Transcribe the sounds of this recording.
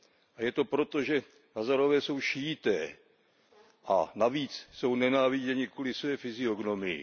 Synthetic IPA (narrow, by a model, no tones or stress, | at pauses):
ʔajɛt̪o̞pɾo̞t̪oʒɛ | ɦazaɾovɛːso̞wʃiːt̪ɛː | ʔa̰naviːt͡sso̞wnɛnaːvɪɟɛɲɪkulɪsvɛːfɪzɪoɡno̞mɪɪ̰